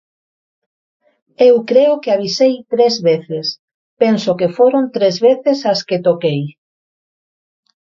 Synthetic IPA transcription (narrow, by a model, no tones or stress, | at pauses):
ewkɾeʊkɪaβ̞isejt̪ɾezβeθɪs | pensokefoɾont̪ɾezβeθesɐsket̪okej